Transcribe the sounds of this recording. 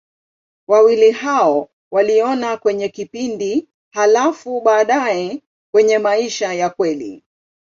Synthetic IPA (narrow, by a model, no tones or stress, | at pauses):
wawilihaɔ | waliɔnakwɛɲɛkipindi | halafuɓaːɗaɛ | kwɛɲɛmaiʃajakwɛlḭ